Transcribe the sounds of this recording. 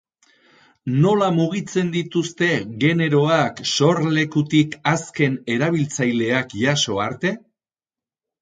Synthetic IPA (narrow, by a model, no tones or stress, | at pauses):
no̞lamuɣit͡se̞nd̪it̪ust̪e̞ɣe̞ne̞ɾo̞akso̞ɾle̞kut̪ikaske̞ne̞ɾaβ̞ilt͡sajle̞akʝaso̞aɾt̪e̞